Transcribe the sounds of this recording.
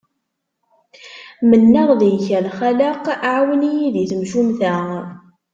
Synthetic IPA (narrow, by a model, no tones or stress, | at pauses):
mənːəʁðijçælχæləqʕwənijiðiθəmʃumθæ